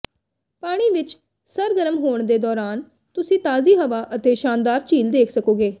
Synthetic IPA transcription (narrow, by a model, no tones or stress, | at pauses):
paːɽ̃iːʋɪt͡ʃ | səɾɡəɾəmɦoːɳ̃d̪eːd̪ɔːɾaːn | t̪ʊsĩːt̪aːziːɦəʋaːʔət̪eːʃaːnd̪aːɾt͡ʃiːld̪eːkʰsəkoːɡeː